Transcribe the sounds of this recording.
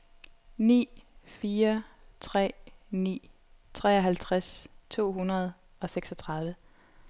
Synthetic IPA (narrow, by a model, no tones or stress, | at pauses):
nḭːfiːɐt͡sʰʁɛ̰ːnḭː | t͡sʰʁɛ̰ːɒ̽ɦælt͡sʰʁast͡sʰo̝̰ːɦunɐð̞ˠ | ɒ̽seɡ̥sɒt͡sʰʁɑ̈ð̞ˠʋə